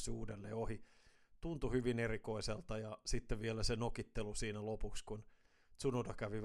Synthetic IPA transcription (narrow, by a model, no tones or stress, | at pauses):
suːdelːḛːohi | t̪unt̪uhyʋinerikoiselt̪ɑjɑsit̪ːeʋʋielæsenokit̪ːelusiːnælopukskun | t̪sunodɑkæʋi